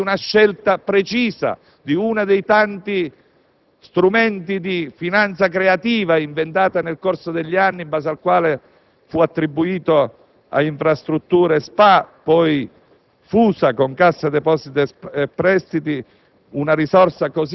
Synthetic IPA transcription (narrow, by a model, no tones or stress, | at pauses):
unaʃːɛlt̪apɾet͡ʃiːsa̰ | d̪iunad̪ejt̪ant̪i | st̪ɾumɛnt̪id̪ifinant̪sakɾeat̪iːvaiɱvent̪aːt̪anelkorsod̪eʎːianːibaːs̬alkwaːle | fuat̪ːɾibːuiːt̪o | a̰iɱfɾast̪ɾut̪ːuːɾespapːɔj | fuːsakoŋkasːad̪ɛpɔsit̪pːɾɛst̪it̪i | unaɾisɔrsakos